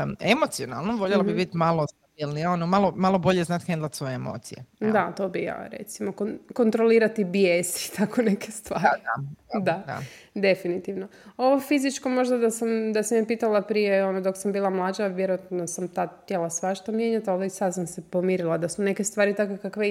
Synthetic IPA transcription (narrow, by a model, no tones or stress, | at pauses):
emot̪siona̰lˠnoʋoʎelobibit̪malˠost̪abilnionomalˠomalˠobo̞ʎeznat̪xend̪lˠat̪sʋo̞jeemo̰t̪sijḛd̪at̪o̞ːbija̰ːɾe̞̰t̪simokoko̞nt̪ɾo̞liːɾat̪ibjest̪ʰakʰone̞ke̞st̪ʋaːiad̪aa̰ | d̪e̞finit̪iʋno | o̞ʋofizit͡ʃko̞mo̞ʒd̪ad̪asamd̪asamjepiːt̪alˠapɾijeo̞nod̪o̞ksambiːlˠamlˠaːd͡ʒaʋje̞ɾojat̪nnosamt̪aːt̪ʲjelasʋaʃt̪omje̞ːɲat̪alˠoisad̪samse̞pomiːɾilˠad̪asune̞ke̞st̪ʋaːɾit̪akokakʋe